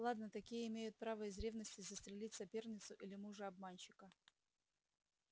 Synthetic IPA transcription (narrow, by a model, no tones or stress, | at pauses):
lˠad̪nət̪ɐkʲijəɪmʲejʊt̪̚pɾavəɪzɾʲevnəsʲtʲɪzəst̪ɾʲɪlʲitʲsɐpʲe̞rnʲɪt̪sʊʔilʲɪmuʐɨɐb̚manɕɪkə